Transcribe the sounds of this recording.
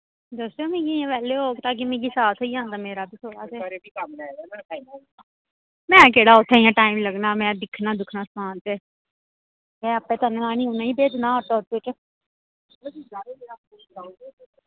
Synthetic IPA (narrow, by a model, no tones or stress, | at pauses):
d̪oseːmĩːɡiːãːʋɛːleːɦoːɡt̪aːk̬imẽːɡiːsaːt̪ʰɦoiːãːnd̪aːmeːɾaːbiːsʰoːɽa̰ːseːi | mɛ̃ːkeːɽaːʊt̪ʰːeːiãːʈaːiːmləɡnaːmɛ̃ːd̪ɪkʰnaːd̪ʊkʰnaːsaːnt̪eː | ɛ̃ːəpːẽːt̪ənaːnĩːunãːĩːbeːd͡ʒnãːəʈoot̪ːet͡ʃː